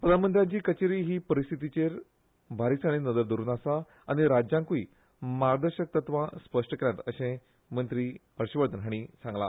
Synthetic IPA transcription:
pəlamənt̪ɾjat͡ɕiːkət͡ɕeɾiːɦiːpəɾist̪ʰit̪̬it͡ɕeɾ | bʱaɾisaɽ̃inəd̪əɾd̪əɾuːnasa | aɽ̃iɾad͡ʑjãŋkuiː | maɾd̪əɾɕək̚t̪ət̪ʋãspəʂʈəkeɾjat̪əɕẽ | mənt̪ɾiːbʱəɾɕəʋəɾd̪ʱənɦaɽ̃isãŋɡla̰

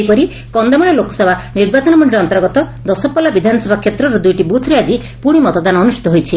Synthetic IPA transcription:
pɔɾi | kɔnd̪amɔɽ̃elokɔ̥sɔbʱaniɾbat͡ʃɔnɔmɔɳɖiɾeɔnt̪ɔɾɡɔt̪ɔd̪ɔsɔpːɔlabid̪ʱanɔsɔbʱakʰːet̪ɾɔɾɔd̪ujʈibut̪ʰɾiad͡ʒi | puɽ̃imɔt̪ɔd̪anɔːnusʈi̥t̪ɔɦojt͡ʃʰi

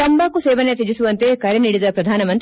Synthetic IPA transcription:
ɐmbaːkuseːʋɐnet̪̬ed͡ʒisuʋɐnt̪ekɐɾeniːɽid̪ɐpɾɐd̪ʱaːnɐmɐnt̪

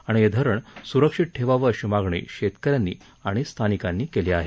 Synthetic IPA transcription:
aɽ̃ied̪ʱəɾəɳsuɾəkʂiʈ̚ʈʰeʋaʋəɾɕimaɡɳḭɕet̪kəɾjanːḭː | aɽ̃ist̪ʰanikanːiːkeliaɦe

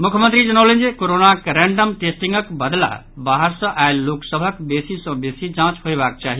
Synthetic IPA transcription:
mukʰjəmənt̪ɾid͡ʒənəwlend͡ʒekoɾonakɾeɳɖəmʈesʈĩŋɡəkbəd̪la̰ | baɦəɾsʌ̃ʔaelːoksəbʱəkbesisʌ̃besid͡ʒãt͡ʃɦojbak̚t͡ʃaɦi

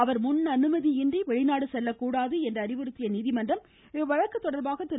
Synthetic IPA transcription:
ɐʋɐɾmʊnːɐnɯmɐðiɪndriʋɛɻɪnaːɽɯsɛlːɐkːuːɽaːðɯɛndrɐːɾɪʋɯɾɯt̪ːɪjɐniːðɪmɐndrɐm | ʋɐɻɐkːɐt̪ːɔɽɐɾbaːɣɐt̪ːɪɾ

